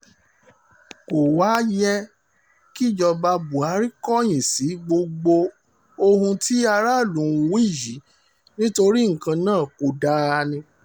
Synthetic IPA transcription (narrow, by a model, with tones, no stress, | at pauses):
ko˨wa˨˦jɛ˧˦ | ki˦˨d͡ʒɔ˧ba˧bu˨a˨˦ɾi˦kɔ˦j̃ĩ˨si˨˦ɡ͡bo˧ɡ͡bo˧ | o˧hũ˧ti˦a˧ɾa˦˨lũ˨˦˨wi˦˨ji˨˦ | nĩ˦to˧ɾi˦ŋ̩˨kã˧nãː˦˨ko˨da˦a˧nĩ˧